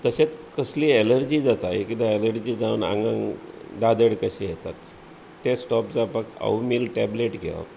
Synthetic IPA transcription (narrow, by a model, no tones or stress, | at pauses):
t̪əset͡skəsliːeləɾd͡ʑiːd͡zat̪aɦikit̪aeləɾd͡ʑiːd͡zaʋəna̰ŋɡaŋd̪ad̪əɽkəɕijɛt̪at̪ː | esʈɔpd͡zapakə̰umiːlʈɛbleʈɡʱḛʋa̰